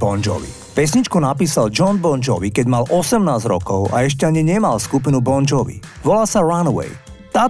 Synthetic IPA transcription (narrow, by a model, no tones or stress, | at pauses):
bɔnd͡ʒɔ̰ʋḭ | pɛs̬ɲit͡ʃkɔnapiːsald͡ʒɔnbɔnd͡ʒɔʋikɛɟmalʔɔsɛmnaːzɾɔkɔʊʔa̰ɛʃ̬cɛaɲiɲɛmalskupinubɔnd͡ʒɔʋḭʋɔlaːsaɾanwɛ̰jt̪aː